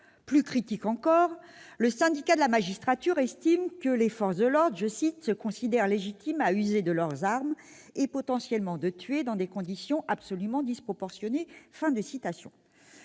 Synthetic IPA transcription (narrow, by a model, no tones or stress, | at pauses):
plykχit̪ikɑ̃kɔʁləsɛ̃d̪ikad̪əlamaʒist̪χat̪yʁɛst̪imkəlefɔʁsd̪əlɔʁd̪ʁʒəsit̪səkɔ̃sid̪ɛʁleʒit̪ʰimayzed̪əlœʁzaʁm | epɔt̪ɑ̃sjɛlmɑ̃d̪ət̪ɥed̪ɑ̃d̪ekɔ̃d̪isjɔ̃ʔapsɔlymɑ̃d̪ispχɔpɔʁsjɔnefɛ̃d̪əsit̪asjɔ̰̃